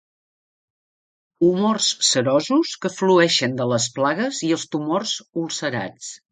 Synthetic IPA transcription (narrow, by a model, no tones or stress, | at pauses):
umorsːəɾɔzuskəfluɛʃənd̪ələsplaɣəziəlˠst̪umorzulˠsəɾa̰t͡s